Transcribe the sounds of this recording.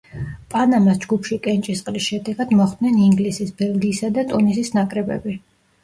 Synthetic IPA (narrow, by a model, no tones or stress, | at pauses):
pʼanamasd͡ʒɡupʰʃikʼɛnt͡ʃʼisqʼlisʃɛd̪ɛɡad̪mɔχd̪nɛniŋɡlisisbɛlˠɡiːsad̪at̪ʼunisisnakʼɾɛbɛ̰bi